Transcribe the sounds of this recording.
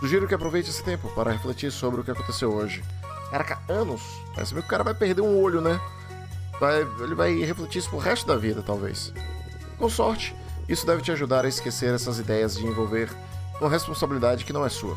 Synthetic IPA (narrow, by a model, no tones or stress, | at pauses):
d̪ʊʒiɾʊkɪapɾovejt͡ʃesɪ̥t̪ẽpʊpaɾɐheflet͡ʃiɾsobɾɪʊkɪakõt̪esewoʒɪ | kaɾɐkaɐ̃nʊs | ɛ̰sɐmiɡʊkaɾɐvajpeɾd̪eɾũoʎʊnɛ | vajelɪvajheflet͡ʃiɾsɪpʊɾɦɛst̪ʊd̪ɐvid̪ɐt̪awvḛs | kõsɔɾt͡ʃɪ̥isʊd̪ɛvɪt͡ʃɪaʒud̪aɾɐɪskeseɾɛsɐzid̪ɛjɐzd͡ʒɪẽvowveɾ | ũmɐɦespõsabilid̪ad͡ʒɪkɪnɐ̃w̃ɛsuɐ̰